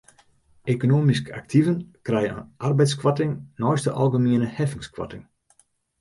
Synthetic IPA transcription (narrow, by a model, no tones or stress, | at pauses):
ekonoːmiska̰k̚tʰivənkrɛjənə̰ʔarbɛjtskwatɪŋnɔjstəʔɔlˠɣəmiənəhɛfɪŋskwa̰tɪŋ